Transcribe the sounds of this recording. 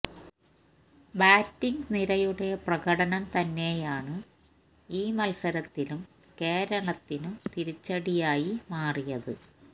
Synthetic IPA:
baːtːiŋɡniɾɐjuɽe̞prɐɣɐɽɐnɐmt̪ɐnːe̞jaːɳɨ | iːmɐlsɐɾɐt̪ːilum | ke̞ːɾɐɳɐt̪ːinumt̪iɾit͡ɕːɐɽijaːjimaːrijɐðɨ

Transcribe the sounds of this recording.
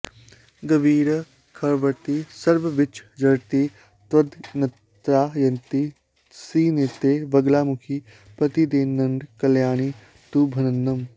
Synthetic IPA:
ɡəbiːɾ | kʰɐɾʋəɾt̪iːsəɾbʋɪt͡ʃd͡ʒɐɽt̪iː | t̪ɐd̪nɐ | t̪ɾaːjɐnt̪i | siːneːt̪eːbɐɡlaːmʊkʰiː | pɾɐt̪id̪eːɐɳɖkɐljaːniː | t̪uːbʱɐnənːəm

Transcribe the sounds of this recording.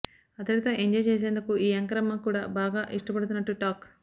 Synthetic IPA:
ɐt̪ɐɽit̪o̞ːʔeɲd͡ʒɐjt͡ʃe̞ːs̬e̞ːnd̪ukuʔiːɐŋkɾɐmɐŋkuːɽaːbaːɡaːʔiʂʈɐpɐɽut̪unːɐʈːuʈaːk

